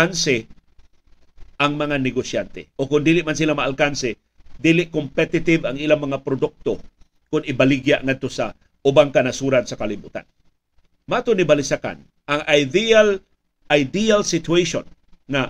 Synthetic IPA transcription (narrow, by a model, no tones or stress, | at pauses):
ansɪ | ʔaŋmɐŋanɛɡosjant̪ɛ̰ʔokʊnd̪iːlɪʔmansilamaʔːlkansɪ | d̪iːlɪʔkompɛt̪ɪt̪ɪvaŋilamɐŋapɾod̪ʊk̚t̪o | kʊnɪbalɪɡjaʔŋad̪̚t̪osa | ʊbaŋkanasuɾansakalɪbuːt̪a̰n | mat̪onɪbalɪsaka̰n | aŋʔajd̪ial | ʔajd̪ialsɪt̪uejʃo̰n | ŋa